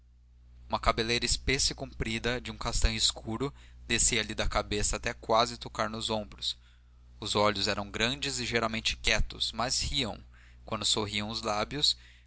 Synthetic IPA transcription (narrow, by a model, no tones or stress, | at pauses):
ũmɐkabelejɾɐispesɪkũmpɾid̪ɐd͡ʒɪũkast̪ɐ̃w̃ɪskʰuɾʊd̪esiɐlid̪ɐkabesɐaːt̪ɛkwazɪt̪okaɾnʊzõbɾʊs | ʊzɔʎʊzɛɾɐ̃w̃ɡɾɐ̃d͡ʒɪzɪʒeɾawmẽnt͡ʃɪ̥kɛt̪ʊsmɐzhiɐ̰̃w̃ | kwɐ̃nd̪ʊsoɦiɐ̃w̃ʊzlabjʊs